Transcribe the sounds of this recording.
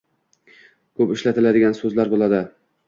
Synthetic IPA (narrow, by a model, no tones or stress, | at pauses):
kʰɵpɪʃlat̪ʰɪlad̪ɪɡʲansɵzlaɾbolˠad̪ɪ